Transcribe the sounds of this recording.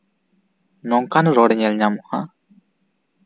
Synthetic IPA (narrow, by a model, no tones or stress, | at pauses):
nɔŋkanuɾoːɽiɲelɲamua̰